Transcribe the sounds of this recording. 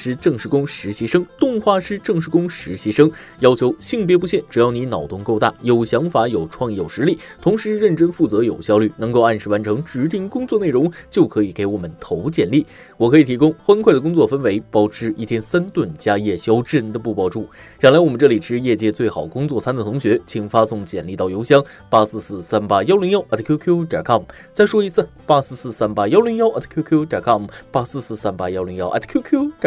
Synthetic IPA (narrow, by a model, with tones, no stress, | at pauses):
ʂɻ̩˥ʈ͡ʂɤ˥˧ŋʂɻ̩˥˩kʊ˥ŋʂɻ̩˧˥ɕi˧˥ʂɤ˥ŋt̪ʊ˥˧ŋxwa˥˩ʂɻ̩˥ʈ͡ʂɤ˥˩ŋʂ̬ɻ̩˥˧kʊ˥ŋʂɻ̩˧˥ɕi˧˥ʂɤ˥ŋ | jɑ˥ʊt͡ɕʰjo˧˥ʊɕi˥˩ŋp̬jɛ˥pu˧˥ɕjɛ˥˩nʈ͡ʂɻ̩˨˩jɑ˥˩ʊni˧˥nɑ˨˩ʊt̪ʊ˥˧ŋko˥˧ʊt̪a̰˥˩jo˨˩ʊɕjɑ˧˥ŋfa˧˥jo˨˩ʊʈ͡ʂʰwɑ˥˧ŋjo˨˩ʊʂɻ̩˧˥li˥˩ | t̪ʰʊ˧˥ŋʂɻ̩˧˥ɻə˥˩nʈ͡ʂə˥nfu˥˩t͡sɤ˧˥jo˨˩ʊɕjɑ˥ʊly˥˩nɤ˧˥ŋko˥˧ʊa˥˩nʂɻ̩˥˩wa˧˥nʈ͡ʂʰɤ˧˥ŋʈ͡ʂɻ̩˧˥t̪̬i˥˧ŋkʊ˥ŋt͡swɔ˥˧ne˥˩ɪɻʊ˧˥ŋt͡ɕjo˥˩ʊkʰɤ˧˥i˨˩ke˧˥ɪwɔ˨˩mə˦nt̪ʰo˧˥ʊt͡ɕjɛ˨˥˩nli˥˩ | wɔ˨˩kʰɤ˧˥i˨˩t̪ʰi˧˥kʊ˥ŋxwa˥nkʰwa˥˩ɪd̪əkʊ˥ŋt͡swɔ˥˩fə˥nwe˧˥ɪpɑ˥ʊʈ͡ʂʰɻ̩˥i˥˩t̪ʰjɛ˥nsa˥nt̪wə˥˩nt͡ɕja˥jɛ˥˩ɕjɑ˥ʊʈ͡ʂɻə˥˧˩nd̪ə˨pu˥˩pɑ˥ʊʈ͡ʂu˥˩ | jɑ˨˩ŋla˧˥ɪwɔ˨˩mə˦nʈ͡ʂɤ˥˩li˨˩ʈ͡ʂɻ̩˧˥jɛ˥˧t͡ɕjɛ˥˧t͡swe˥˩ɪxɑ˨˩ʊkʊ˥ŋt͡swɔ˥˩t͡sʰa˥nd̪ə˨t̪ʰʊ˧˥ŋɕɥɛ˧˥t͡ɕʰi˨˩ŋfa˥sʊ˥˩ŋt͡ɕjɛ˨˩nli˥˧ɑ˥˩ʊjo˧˥ʊɕjɑ˥ŋ | pa˥sɹ̩˥˧sɹ̩˥˩sa˥npa˥jɑ˥ʊli˧˥ŋjɑ˥ʊʔa˥˩t̪ʰkʰju˥kʰju˥t̪ɑ˨˩kʰɑ˥˩m | t͡sa˥˩ɪʂwɔ˥i˧˥t͡sʰɹ̩˥˩pa˥sɹ̩˥˧sɹ̩˥˩sa˥npa˥jɑ˥ʊli˧˥ŋjɑ˥ʊʔɛ˥˩t̪ʰkʰju˥kʰju˥t̪ɑ˨˩kʰɑ˥˩mpa˥sɹ̩˥˧s̩˥˩sa˥npa˥jɑ˥ʊli˧˥ŋjɑ˥ʊʔa̰˥˩t̪ʰkʰju˥kʰu˥˨˩